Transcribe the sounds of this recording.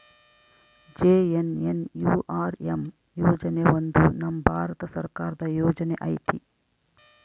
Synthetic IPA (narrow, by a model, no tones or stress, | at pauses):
d͡ʒeːenenjuːʔaːɾem | joːd͡ʒɐneond̪unɐmːɐbʱaːɾɐt̪ɐsɐɾkaːɾɐd̪ɐjɔːd͡ʒɐneʔɐjt̪i